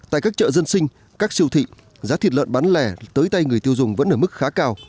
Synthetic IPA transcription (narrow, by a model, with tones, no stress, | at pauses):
t̪a̰ː˧˨jkaː˦˥k̚t͡ɕə̰ː˧˨zə˧nsï˧ŋ̟ | kaː˦˥k̚si˧əwt̪ʰḭ˧˨ | zaː˨˦t̪ʰi˨˩t̚lwə̰˧˨nɓa˨˦nlɛ˧˩t̪əː˨˦jt̪a˧jŋɨ˨˩əjt̪i˧əwzʊ˨˩ŋ͡mvə̰˧˥nʔəː˧˩mɨ˦˥k̚xaː˨˦kaː˧w